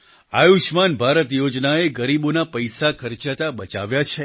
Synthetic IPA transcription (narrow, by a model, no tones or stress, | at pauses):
ajuʃmanbʱaɾət̪jod͡ʒnaeɡəɾibonapəjsakʰəɾt͡ʃat̪abət͡ʃa̰ʋjat͡ʃʰe